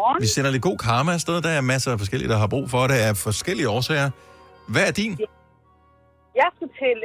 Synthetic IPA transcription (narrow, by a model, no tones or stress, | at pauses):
ʋisen̰ɐle̝d̚ɡ̥o̝̰ːkʰɑ̈ːmæsd̥eð̞ˠd̥ɑæɐmæsəæfɒ̽sɡ̥el̰iəd̥ɑ̈ɦɑ̈b̥ʁṵːfɒ̽ɾe̝æɐfɒ̽sɡ̥el̰iəɒːsɛ̰ːɪɐ | ʋææɐd̥in | jɑ̈ɪsɡ̥ut͡sʰel